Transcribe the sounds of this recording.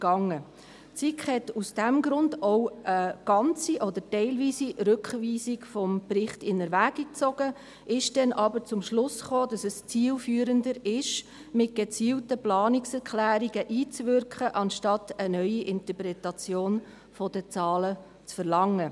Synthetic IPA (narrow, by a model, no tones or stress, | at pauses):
ɡ̥ɑŋːə | t͡sikχhɛtusd̥æmɡɾʊndoʊʔəɡ̥ɑnt͡siʔɔd̪əɾtɛɪlviːsiɾɵkχviːsikfɔmprɪχtɪnəɾʋæːɡ̥ik̚t͡sɔɡ̥ə | ʔɪʃd̥ɛnʔɑbəɾt͡sʊmʃlʊsχoːd̥ɑsəst͡siːlfyːəɾəndəɾɪʃ | mɪt̚ɡ̥et͡siːltəplɑːnɪksɛɾkʰlæːɾiɡəʔiːt͡svʏɾkχəʔɑnʃtɑtənœʏiʔɪntəpɾɛtɑt͡sjoːn | fɔd̥ət͡sɑːlə | t͡sfəɾlɑŋːə